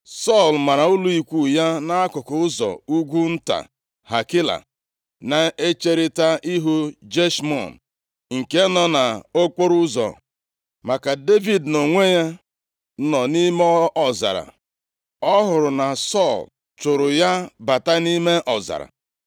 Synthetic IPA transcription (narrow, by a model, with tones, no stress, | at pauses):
sɔ˦˨lma˨ɾa˨ʊ˦lu˦i˨kʷu˦˨ja˦na˦a˦kʊ˨kʊ˨ʊ˦zɔ̰˨u˦ɡʷu˦n̩˦ta̰˨ | ha˨ki˦la̰˨ | na˨e˦t͡ʃe˦ɾɪ˦ta˦ʔi˦ɦu˦d͡ʒe˦ʃmɔ̰˦˨n˨ | ŋ̩˨ke˦nɔ˨na˨o˦k͡po˦ɾʊ˦zɔ̰˨ | ma˨ka˨de˦vi˨dno˨ŋʷe˦ja˦ | nɔ˨ni˦mɔ˦ɔ˨za̰˨ɾa̰˨ | ɔ˦ɦʊ˨ɾʊ˨na˨sɔ˦˨l | t͡ʃʊ˨ɾʊ˨ja˦ba˨ta˦ni˦me˦ʔɔ˨za̰˨ɾa̰˨